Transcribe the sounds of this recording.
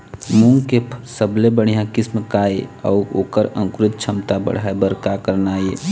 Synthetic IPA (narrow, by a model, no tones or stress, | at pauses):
mũŋɡkepʰsəblebəɽ̤ijãkɪsməkaːeɔːoːkəɾə̰̃ŋkɾɪt̪̚t͡ʃʰəmt̪abə̰ɽ̤aebəɾkakəɾnaːje